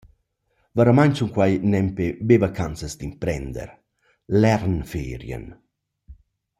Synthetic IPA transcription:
vaɾamaɲt͡ʃuŋkwajnɛmpebevakansəsd̪impɾɛnd̪ɛ̰ɾ | lɛɾnfeːɾjə̰n

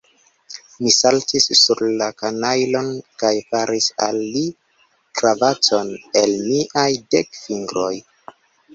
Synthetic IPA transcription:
misaltisːuɾlakanajlo̞nkajfaɾʔisalːi | kɾavat͡so̞ne̞lmiʔajdekfiŋɡɾo̞j

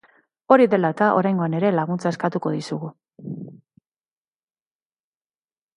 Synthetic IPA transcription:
o̞ɾiðe̞laet̪aʔo̞̰ɾajŋɡo̞ane̞ɾe̞laɣunt͡sae̞skat̪uko̞ðisuɣu

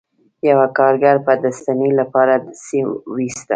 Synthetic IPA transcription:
jawakɑɾɡaɾpəd̪ast̪anelapɑɾasiwist̪a̰

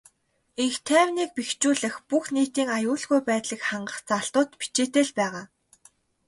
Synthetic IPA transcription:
iŋxt̪ʰæːwniːk̚pixt͡ɕuːɮɘ̆xpuxniːt̪iːŋajʊːɮɣujpæːt̪ɮiːkχaɴɢə̆χt͡saɬt̪ʊːt̪pi̥t͡ɕeːt̪eːɮpæːʁaː

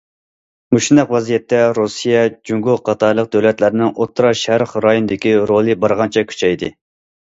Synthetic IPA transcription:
muʃnæqwɛzijɛt̪ːɛɾusijɛd͡ʒuŋɡuqʰɑt̪ʰɑɾlˠəq̚d̪øwlɛt̪læɾnɪŋʔot̪ʰːɾɑʃæɾχɾɑjonɨd̪ɪkʲiɾolˠɨbɑɾʁɑnt͡ʃʰɛkʲʰy̥t͡ʃʰɛjd̪ɨ

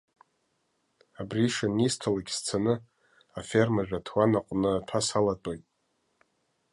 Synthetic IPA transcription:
abriʂanistʰalaɡʲst͡sʰanɨ | afermaʒᶣatʰwanaqʷʼnɨatʰasalatʼojtʼ

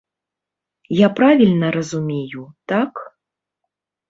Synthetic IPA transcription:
japɾavʲilʲnɐɾɐzumʲejut̪ak

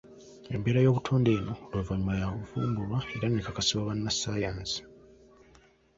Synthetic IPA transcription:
e̞mbe̞ːɾajo̞ːβutʰo̞ːnde̞ːno̞leːvaɲumajaβuvuːmbulwaeɾanːekakasiβaβanːasːaːjaːnzi̥

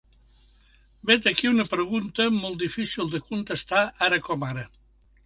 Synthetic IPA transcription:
bet̪əkiunəpɾəɣ̞unt̪əmɔlˠt̪d̪ifisilˠd̪əkunt̪əst̪aaɾəkɔmaɾə

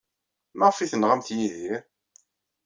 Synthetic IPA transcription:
maʁfiθənʁamθjiðiɾ

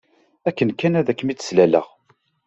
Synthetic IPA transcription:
ækːənkænæðækːmit͡sːə̥slælə̰ʁ

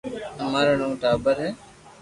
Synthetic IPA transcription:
əmaːɾəɳõːʈaːbəɾɦɛː

